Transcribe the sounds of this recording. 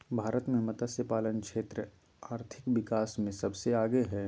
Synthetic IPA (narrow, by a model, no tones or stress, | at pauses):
bʱaːɾət̪mẽmɐt̪asjəpaːlənkʃeːt̪ɾə | aːɾt̪ʰɪkʋɪkaːsmẽsɐbseaːɡeɦɛː